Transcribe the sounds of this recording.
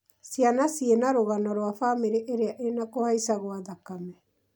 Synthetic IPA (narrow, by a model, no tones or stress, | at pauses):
sianasienaɾoɣanaɾoafameɾeʔeɾeaʔenakohaisaɣoaðakamɛ